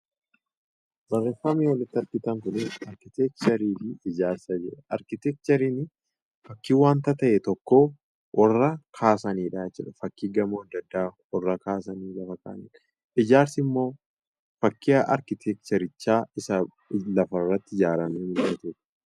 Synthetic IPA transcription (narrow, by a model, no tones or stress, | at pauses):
bɐrːeːfːɐmiːwɐlɪt̪ːɐɾkɪt̪ɐŋkʊnɪsɐɾkɪt̪ɛk̚t͡ʃɐɾiːfɪɪd͡ʒaːɾsɐd͡ʒɛʔɛʔɐɾkɪt̪ɛk̚t͡ʃ̪ɐɾiːnɪ | fɐkːiːwaːnt̪ɐt̪ɐʔɛt̪ɔkːo̞ː | ʔɔrːɐkʰaːsɐniːᶑaːt͡ʃːɛᶑɐ̥fɐkːiːɡɐmoːɐd̪ːɐd̪ːaː | ɔrːɐkaːsɐniːlɐfɐka̰ːnɪn | ɪd͡ʒaːɾsɪmːo̞ː | fɐkːɪɐʔɐɾkɪt̪ʰɛk̚t͡ʃ̪ɐɾɪt͡ʃːaːɪsɐ | lɐfɐrːɐt̪ːɪɪd͡ʒaːɾɐnuːmɪlɐt̪uːᶑɐ̥